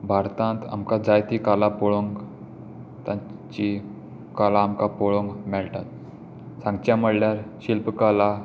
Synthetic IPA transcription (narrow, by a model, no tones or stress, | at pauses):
bʱaɾt̪ãnt̪a̰mkad͡zajt̪ikalapɔɭoŋɡ | t̪ãt͡ɕi | kalaːmkapɔɭoŋɡmɛɭʈ̪at̪̚ | sãŋɡt͡ɕjaməɽljaɾɕilpkala